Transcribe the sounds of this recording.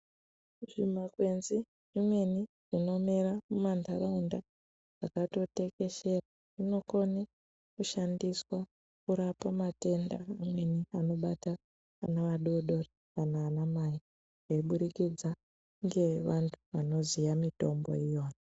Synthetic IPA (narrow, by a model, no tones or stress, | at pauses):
ʐimakwe̞nzi | rimwe̞ni | ʐ̥ino̞meɾamumantʰaɾaunda | ʐakato̞te̞ke̞ʃe̞ra | rino̞ko̞ne | kuʃandiswa | kuɾapamate̞nda̰ːmwe̞niano̞ɓataː | naʋaɗoɗo̞re | kanaːnamaji | ʐeiɓuɾikid͡za | ŋɡe̞ʋantʰu̥ʋano̞zijamito̞mbo̞̰ijo̞ːjo